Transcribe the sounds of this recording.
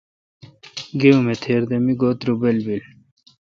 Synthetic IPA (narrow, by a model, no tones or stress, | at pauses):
ɡeumet̪ʰeːɾd̪emiɡoːt̪ɾubelbil